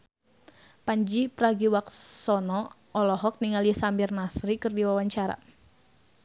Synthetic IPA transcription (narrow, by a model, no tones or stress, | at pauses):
paɲd͡ʒipɾaɡiwaksɔnɔ | ʔɔlɔɦɔk̚niŋaliəsambirnasɾikɨrdiwawaɲt͡ʃaɾa̰